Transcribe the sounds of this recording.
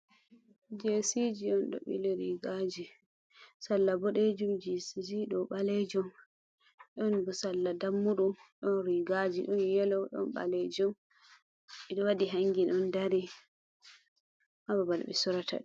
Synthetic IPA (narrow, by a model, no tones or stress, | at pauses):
d͡ʒesid͡ʒiɗɔnɗɔ̰ɓḭlɛɾiɡad͡ʒi | salːabɔɗed͡ʒumd͡ʒisid͡ʒiɗɔɓalɛd͡ʒum | ʔɔnbusalːadamːuɗum | ɔnɾiɡad͡ʒiɗɔnjɛlɔɗɔ̰nɓa̰lɛd͡ʒɔm | ɛɗɔwadiɦaŋɡinɔndaɾi | mababal̰ɓɛ̰suɾata̰ɗ